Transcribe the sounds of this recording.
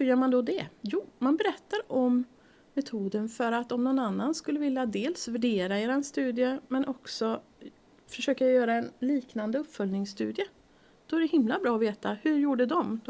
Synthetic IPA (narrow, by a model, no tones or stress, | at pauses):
hɵɾjœːmand̪ɔd̪ɛjuːmanbɛɾɛt̪ːaɾɔmː | ɛt̪ʰuːd̪ənfœɾat̪ːɔmnɔnanːanskɵlːəvɪljad̪eːlsvæɖeːɾaeːɾaɛnst̪ʉ̟ːd̪ɪjəmɛnʔɔksɔ | fœʂøːkajajœːɾaɛnliːknand̪əɵpːfœlnɪŋsːt̪ʉ̟ːd̪ɪə | d̪̥ɔæɖɛhɪmlabɾɑːɔveːt̪ahɵɾjuːɖəd̪ɔmd̪